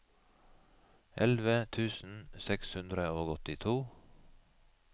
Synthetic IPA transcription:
ʔɛlʋət̪ʰʉːsn̩sɛkshʉnd̪ɾəoːɡɔt̪ɪt̪ʰuː

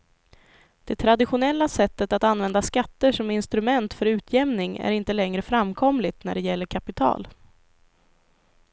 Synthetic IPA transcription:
d̪̥ɛt̪ʰɾad̪ɪɧʊnɛlːasɛt̪ːət̪at̪anvɛnd̪askat̪ːəʂɔmɪnst̪ɾɵmɛnt̪fœɾʉ̟ːt̪ʰjɛmnɪŋæ̰ɾɪnt̪əlɛŋɾəfɾamkʰɔmlɪt̪næ̰ɖɛjɛlːəɾkʰapɪt̪ʰɑ̰ːl

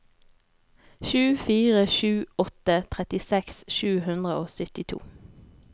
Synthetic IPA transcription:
ʃʉːfiːʁəʃʉːɔt̪ət̪ʰʁɛt̪ɪsɛksʃʉːhʉnd̪ʁəoːsʏt̪ɪt̪ʰṵː

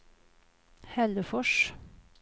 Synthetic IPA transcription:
hɛləfɔʃ

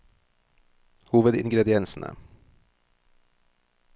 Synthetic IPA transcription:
huːvəd̪ɪŋɡɾɛd̪ɪɛnsənə̰

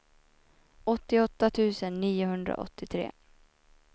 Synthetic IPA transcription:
ɔt̪ːɪɔt̪ːat̪ʰʉ̟ːsənːiːʊɦɵnd̪ɾa̰ʔɔ̰t̪ːɪt̪ʰɾḛː

